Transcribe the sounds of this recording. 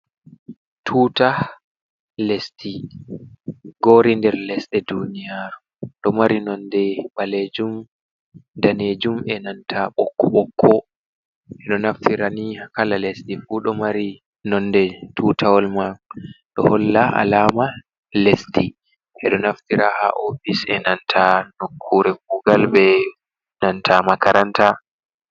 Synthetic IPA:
tʰuːta | lestʰi | ɡoːɾindɛɾlɛsɗɛdunijaɾu | ɗɔmaɾinɔndɛɓaled͡ʒum | daned͡ʒumɛnantʰaɓɔkːɔɓɔkʰːɔ | ʔɛɗɔnaftiɾaniakalalestifuɗɔmaɾi | nɔndɛtʰuːtʰawɔlmaɗɔhɔlːaa̰laːma | lesti | ʔɛɗɔnaftiɾaha̰ʔofisɛnantʰanokʰːuɾɛkuɡalbɛ | nantʰamakaɾanta

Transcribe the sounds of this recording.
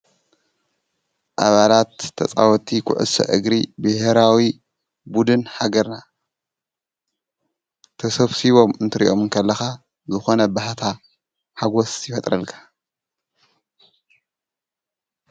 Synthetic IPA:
ʔaβalat̪ʰːɐ̰t͡sʼa̰wɔt̪ʰʼːikʰʊ̰ʕɨ̰sɐ̰ʔɨɡɾibɨheɾawi | bud̪ɨnhaɡɐɾna | t̪ʰɐsɐβsiβo̞mɨnt̪ʰɨɾiʔo̞mɨŋkʰɐlːɐxa | zɨxo̞nɐbahat̪ʰa | ħaɡo̞sjɪfɐt̪ʼɾɐlkʰḁ

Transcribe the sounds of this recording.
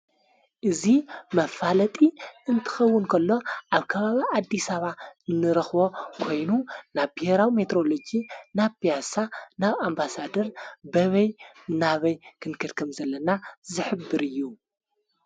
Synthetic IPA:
ʔɨzimɐfalɐt̪ʼiɨnt̪ʰɨ̥xɐwːʊnkʰɐlːo̞ʔaβkʰɐβaβiad̪ːisaβaɨnːɨɾɐxbo̞kʰo̞jnunaβbiheɾawime̞t̪ʰɾo̞lod͡ʒinaβpijasanaβambasad̪ɐɾbɐβɐj | naβɐjkʰɨnkʰɐd̪kʰɨmzɐlːɐnazɨħɨbːɨɾɨjːu

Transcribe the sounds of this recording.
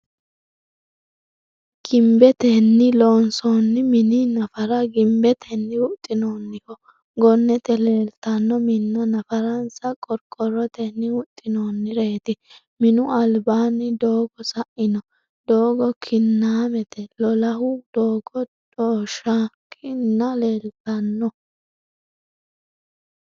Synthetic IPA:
ɡ̥ɪmbɛt̪ɛnːɪloːnsonːɪmɪnɪnɐfɐɾɐɡɪmbɛt̪ʰɛnːɪʊt̪ʼːɪnoːnːɪhɔ | ɡɔnːɛt̪ɛlɛlt̪ɐnːɔmɪnːɔnɐfɐɾɐnsɐkʼɔɾkʼɔɾɔt̪ɛnːɪʊt̪ʼːɪnoːnːɪɾeːt̪ɪ | mɪnʊɐlbaːnɪd̪o̞ːɡɔsɐʔɪnɔ | d̪̥oːɡɔkʰɪnːaːmɛt̪ɛlɔlɐɦʊd̪̥oːɡɔdoːʃɐ | kʰɪnːɐleːlt̪ɐnːɔ

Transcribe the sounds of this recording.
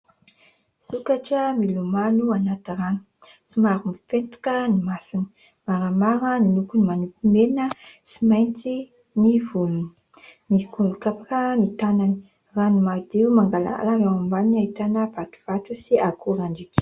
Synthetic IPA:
sukaʈ͡ʂəmilumanuanat̪irani̥ | simaɾumifent̪u̥kənimasuni̥ | maɾamaɾənilukunimanupimenəsimajnt͡si | nivulun | nikuukapakənit̪anani̥ | ranimaɾd̪eumaŋɡala̰a̰laɾawambaniniait̪anəv̥at̪u̥v̥at̪usiakuɾaɳɖ͡ʐikʲ

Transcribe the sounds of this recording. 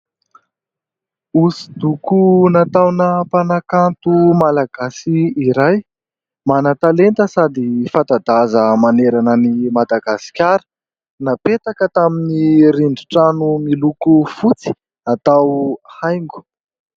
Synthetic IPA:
usi̥d̪ukunat̪awnəpanakant̪umalaɡ̥asiːɾaj | manat̪alent̪əsad̪ifad̪ad̪azəmaneɾanənimad̪aɡasi̥kʲaɾə̥ | napet̪akət̪aminiɾiɳɖ͡ʐiʈ͡ʂanumilukufut͡si̥ | nat̪awhajŋɡu̥

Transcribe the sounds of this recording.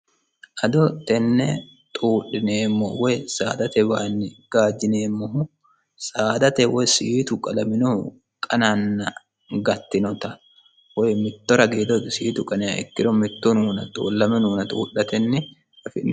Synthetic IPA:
ʔɐd̪ɔt̪ɛnːɛ | t̪ʼuːᶑɪneːmːɔ̰wɛjsa̰ːd̪ɐt̪ɛbaːnːɪɡ̥aːd͡ʒɪneːmːɔhʊ | sʼaːd̪ɐt̪ɛwɔjsiːt̪ʊkʼɐlɐmɪnu | kʼɐnanːɐ | ɡɐt̪ːɪnɔt̪ɐ | wɔjmɪt̪ːɔɾɐɡeːd̪ɔt̪siːt̪ʊkʼɐnɛɐ̰ɛ̰kːɪɾɔmɪt̪ːunuːnɐt̪ʼṵːlːɐmɛnuːnɐt̪ʼṵːᶑɐt̪ɛnːɪ | ɐfɪnː

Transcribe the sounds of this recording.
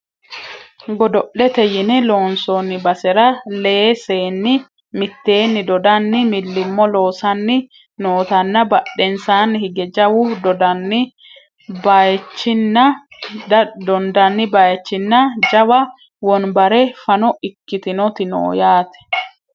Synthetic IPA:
ɡɔd̪ɔʔlɛt̪ɛjɪnɛlo̞ːnsonːɪbɐsɛɾɐleseːnːɪ | mɪt̪ːe̞ːnːɪd̪ɔd̪ɐnːɪmɪlːɪmːɔloːsɐnːɪ | noːt̪ɐnːɐbɐɗːɛnsaːnːhɪɡɛd͡ʒɐwʊd̪ɔd̪ɐnːɪ | bajt͡ʃːɪnːɐ | d̪ɔnd̪ɐnːɪbajt͡ʃːɪnːɐd͡ʒɐwɐ | wɔnbɐɾɛfɐnɔɪkːɪt̪ɪnɔt̪ɪno̰ːjaːt̪ɛ̥

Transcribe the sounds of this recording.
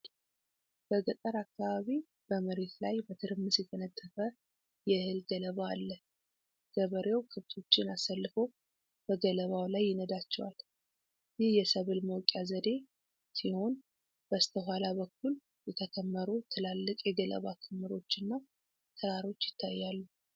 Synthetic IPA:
b̥əɡət̪ʼəɾakːaβaβi | b̥əməɾe̞t̪lajbət̪ʰɨɾɨmːɨsjɛt̪ʰənət̪ʰːəfə | jɛhɨlɡələβaːlːə | ɡ̥əβəɾewkʰɨβt̪ʰo̞t͡ʃːɪnasalːɨfo̞ | b̥əɡələβawlajːɪnəd̪at͡ʃːɛwa̰l | jɪhjɛsəβɨlməwkʼjazəd̪e̞ | siho̞n | b̥əst̪ʰəɦalaβəkːul | jɛt̪ʰəkʰəmːəɾut̪ʰɨlalːɨkʼjɛɡələ̰βakʰɨmːɨɾo̞t͡ʃːɨnːa | t̪ʰɨɾaɾo̞t͡ʃːjɪt̪ʰːajːalːu

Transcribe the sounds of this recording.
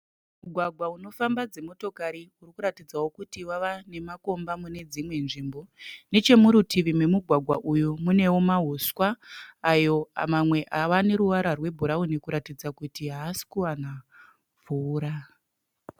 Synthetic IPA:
muɡʱwaɡʱwauno̞fambad͡ze̞mo̞to̞kaɾiurikuɾatid͡zawo̞kutiwaʋane̞mako̞mbamune̞d͡zimwe̞nʐimbo̞ne̞t͡ʃe̞muɾutiʋimwe̞muɡʱwaɡʱwaʔujumune̞womaɦuswaːjo̞a̰mamwe̞ʔaʋane̞ɾuʋaɾarwe̞bʱuɾaune̞kuɾatid͡zakutiɦaːsi̥kuwana | vuːɾa

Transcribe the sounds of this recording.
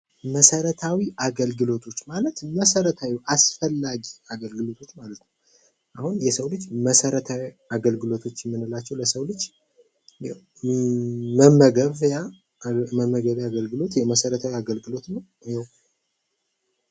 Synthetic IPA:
məsəɾət̪ʰawiʔaɡəlɡɨlo̞t̪ʰo̞t͡ʃːmalət̪məsəɾət̪ʰawiʔasfəlːaɡiaɡəlɡɨlo̞t̪ʰo̞t͡ʃːmalət̪nəw | ʔahunjɛsəwlɨd͡ʒːməsəɾət̪ʰawi | aɡəlɡɨlo̞t̪ʰo̞t͡ʃːɛmːɨnɨlat͡ʃːɛwləsəwlɨd͡ʒː | jɛ | məmːəɡəβja | məmːəɡəβjaɡəlɡɨlo̞t̪jɛməsəɾət̪ʰawiaɡəlɡɨlo̞t̪nəw | jɛw

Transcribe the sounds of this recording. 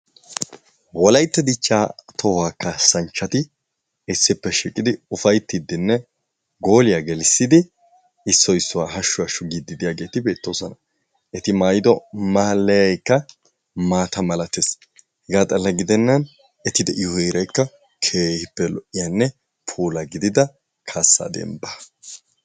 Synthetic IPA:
wɔlɐjt̪ːɐd̪ɪt͡ʃːaːt̪ʰɔwaːkːasɐnt͡ʃːɐt̪ɪ | ɪsːɪpːɛʃiːkʼɪd̪ɪʊfɐjt̪ːɪd̪ːɪnːɛ | ɡo̞ːlɪjaːɡɛlɪsːɪd̪ɪ | ɪsːɔjɪsːʊwaːɦɐʃːʊwɐʃʊɡid̪ːɪd̪ɪjaːɡe̞ːt̪ɪbe̞ːt̪ːo̞ːsɔnɐ | ʔɛt̪ɪmaːjɪd̪ɔmaːlːɐjɐjkːɐ | maːt̪ɐmɐlɐt̪es | hɛɡaːt̪ʼɐlːɐɡɪd̪ɛnːɐn | ɛt̪ɪd̪ɛʔɪʊeːɾɐjkːɐ | kʰeːhɪpːɛlɔʔɪjanːɛ | pʰuːlɐɡɪd̪ɪd̪ɐ | kʰaːsːa̰d̪ɛ̰mbɐ

